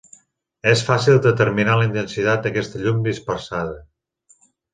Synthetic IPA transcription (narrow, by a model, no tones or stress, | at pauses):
ɛsfasilˠd̪ət̪əɾminaləint̪ənsit̪at̪̚d̪əkɛst̪əʎumd̪ispəɾsaðə